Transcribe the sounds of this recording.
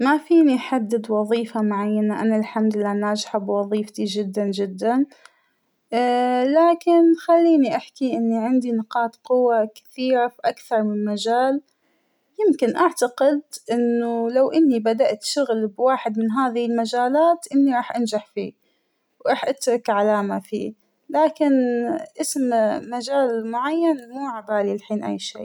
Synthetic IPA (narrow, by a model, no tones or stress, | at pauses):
mafiːniħad̪ːɪd̪wɑðˤiːfamʊʕajːanaʔanalħamd̪ɪlːaːnaːd͡ʒɪħabwɑðˤiːft̪id͡ʒɪd̪ːand͡ʒɪd̪ːan | laːkɪnxalːiːniʔaħkiʔɪnːiʕɪnd̪inɪqɑːt̪qʊwːakḁθiːɾafiʔakθɑɾˤmɪnnmad͡ʒaːl | jɪmkɪnʔaʕt̪aqɪd̪ʔɪnːʊlawʔɪnːibad̪aʔt̪ʃʊɣlbwaːħɪd̪mɪnɦaːðɪhɪlmad͡ʒaːlaːt̪ʔɪnːiɾˤɑːħʔand͡ʒaħfḭː | wɾˤɑːħʔat̪ɾˤɑkʕalaːmafḭː | laːkɪnʔɪsmmad͡ʒaːlmʊʕajːanmuːʕabaːlilħiːnʔa̰jːʃḭː